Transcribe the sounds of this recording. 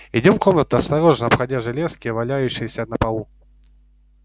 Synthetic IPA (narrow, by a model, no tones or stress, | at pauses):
ɪdʲo̞mko̞mnət̪ʊɐst̪ɐɾo̞ʐnɐpxɐdʲaʐɨlʲeskʲɪjəvɐlʲæjʉɕːɪjɪsʲənəpɐlˠu